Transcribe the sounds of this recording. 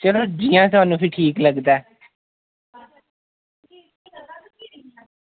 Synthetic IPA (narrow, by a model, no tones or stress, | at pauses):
t͡ʃəloːd͡ʒiːãːt̪aːnũːpʰɪʈʰiːkləɡd̪aː